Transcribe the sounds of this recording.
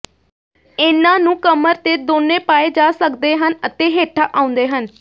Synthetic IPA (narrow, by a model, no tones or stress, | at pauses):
ɪnãːnũːkəməɾt̪eːd̪oːnːẽːpaːeːd͡ʒaːsək̚d̪eːɦənət̪eːɦeːʈʰaːʔaːʊ̃nd̪eːɦən